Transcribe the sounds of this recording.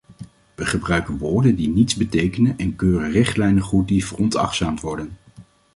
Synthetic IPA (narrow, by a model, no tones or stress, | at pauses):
ʋəχəbrœɥkənʋʊːɹdəndinitzbətejkənənɛnkøːrərɪχtlɛjnənχut̚divərɔntɑ̰χtsaːmtʋɔɹdən